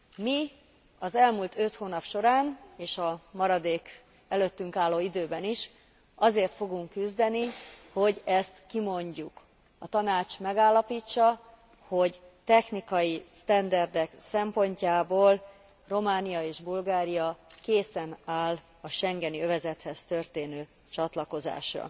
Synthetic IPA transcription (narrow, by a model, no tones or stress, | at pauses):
mi | ɒzɛlmuːlt̪øt̪hoːnɒpʃo̞ɾaːneːʃɒmɒɾɒd̪eːk | ɛløt̪ːyŋkaːlːoːid̪øːbɛniʃ | ɒzeːrt̪fo̞ɡuŋkːyzd̪ɛniho̞ɟɛst̪kimo̞ɲɟuk | ɒt̪ɒnaːt͡ʃmɛɡaːlːɒpiːt͡ʃːɒ | ho̞ɟt̪ɛxnikɒjist̪ɛnd̪ɛrd̪ɛksɛmpo̞ɲcaːboːl | ro̞maːnijɒeːʒbulɡaːɾijɒkeːsɛnaːl | ɒʃɛŋɡɛniøvɛzɛt̪hɛst̪ørt̪eːnøː | t͡ʃɒt̪lɒko̞za̰ːʃrɒ̰